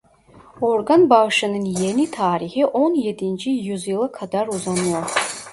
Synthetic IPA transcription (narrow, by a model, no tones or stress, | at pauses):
orɡanbaʁʂɐnɨnjenitʰaːɾiχiʔonjedind͡ʒijuzilˠɐkʰadaruzan